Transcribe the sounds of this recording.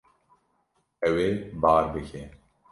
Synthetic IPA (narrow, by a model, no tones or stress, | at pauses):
ɛweːbaːɾbɨkʰeː